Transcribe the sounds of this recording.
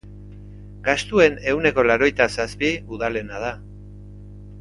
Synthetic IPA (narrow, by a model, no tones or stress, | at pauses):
ɡast̪ue̞ne̞uwne̞ko̞laɾo̞jt̪asaspiuðale̞naða